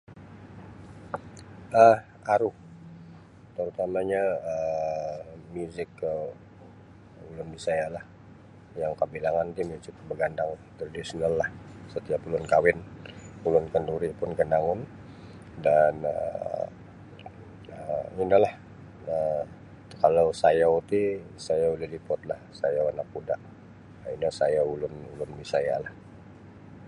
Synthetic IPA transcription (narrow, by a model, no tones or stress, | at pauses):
ʔəh | aɾu | t̪əɾut̪amaɲaə | muzɪkə | ulʊndisajalah | jaŋkəbilaŋant̪imusɪkbəɡandaŋt̪əradisinalːahsət̪iapulʊnkawɪnulʊnkənduɾipʊnkəndaŋʊn | danə̰ | əinalah | ə | kalowsajawt̪isajaulɪhlipɔt̪̚lahsajawanak̚ːudaʔ | inasajaulʊnulʊnbisaja̰lah